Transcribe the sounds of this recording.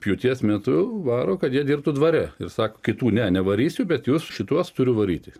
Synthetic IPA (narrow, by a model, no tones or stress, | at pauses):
pʲjut̪ʲiɛsmʲɛt̪ʊʋɑːɾoːkɐt̪jiɛd̪ʲiːrp̚t̪ʊd̪ʋɐɾʲɛɪrsɑːkokʲɪt̪uːnʲɛnʲɛʋɐɾʲiːsʲʊbʲɛt̪juːsʃʲɪt̪uɔst̪ʊɾʲʊʋɐɾʲiːt̪ʲɪ